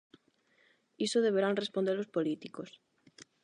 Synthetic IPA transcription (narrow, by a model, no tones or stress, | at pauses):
isoð̞eβ̞eɾaŋrespond̪elospolit̪ikos